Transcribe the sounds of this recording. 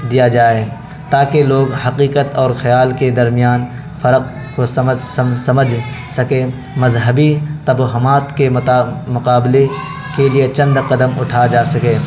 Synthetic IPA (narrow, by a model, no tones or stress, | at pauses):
d̪ijad͡ʒaːe | t̪aːkeloːɡhɐqiːqət̪ɔːɾxɐjaːlked̪ɐɾmijaːn | fɐɾəq̚ | kosɐməd͡ʒ | sɐməd͡ʒʱsɐke | mɐzɦəbit̪ɐbɦʊmaːt̪kemʊqaːble | keliet͡ʃɐ̃nd̪qɐd̪əmʊʈʰad͡ʒaːsɐkeː